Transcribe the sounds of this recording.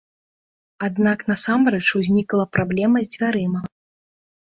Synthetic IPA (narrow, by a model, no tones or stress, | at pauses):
ad̪naknɐsamrɛt͡ʂuzʲnʲiklˠɐpɾablʲɛmɐzʲd͡zʲvʲaɾɨmɐ